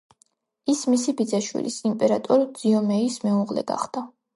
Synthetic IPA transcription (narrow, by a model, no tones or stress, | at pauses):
ismisibid̪zaʃwḭlʔḭsimpʼɛɾat̪ʼɔɾd̪z̥iɔmɛismɛuʁlɛ̰ɡa̰χd̪̥a